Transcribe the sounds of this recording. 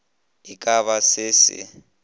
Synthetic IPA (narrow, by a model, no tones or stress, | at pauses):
ikʼaβasɪːsɪ̰